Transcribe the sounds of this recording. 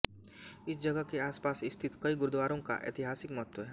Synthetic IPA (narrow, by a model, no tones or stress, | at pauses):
ɪsd͡ʒɐɡəkeaːspaːsɪst̪ʰɪt̪kɐiɡʊɾd̪waːɾõka̰ʔḛːt̪ɪɦaːsɪkmɐɦət̪wəɦɛː